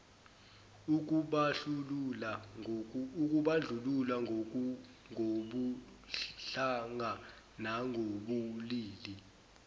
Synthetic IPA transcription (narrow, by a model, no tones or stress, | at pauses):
uk̬uɓulula | uk̬uɓaɮʱulula | ŋʱoɓu | ɬaŋa | naŋʱoɓuliːli